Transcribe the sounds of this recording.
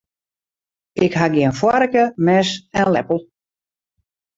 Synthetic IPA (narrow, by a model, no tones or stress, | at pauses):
ɪkɦaɡiənfwaɾəkəmɛsɛnlɛ̰pəlˠ